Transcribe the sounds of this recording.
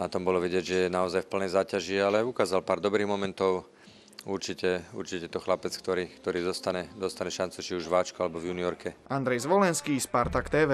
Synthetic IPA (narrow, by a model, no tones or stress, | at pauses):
nat̪ɔmbɔlɔʋiɟɪɛɟʒɛjɛnaɔzajfpl̩nɛjzaːcaʒialɛukaːzalpaːɾd̪ɔbɾiːɣmɔmɛnt̪ɔʊ | uɾt͡ʃicɛṵɾt͡ʃicɛt̪ɔxlapɛt͡skt̪ɔɾiːkt̪ɔɾiːd̪ɔst̪aɲɛd̪ɔst̪aɲɛʃant͡sut͡ʃiuʒʋaːt͡ʃkualɛbɔvjuːniɔɾkɛand̪ɾɛjzʋɔlɛnskiːspaɾt̪akt̪ɛːʋɛː